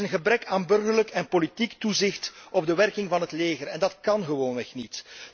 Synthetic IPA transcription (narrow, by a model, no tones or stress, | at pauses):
ənɣəbɾɛkaːnbɵrɣərləkɛnpolitiktuzɪxtʔɔbdəʋɛrkɪŋvɑnɦətleːɣərɛndɑtkɑnɣəʋoːnʋɛxnit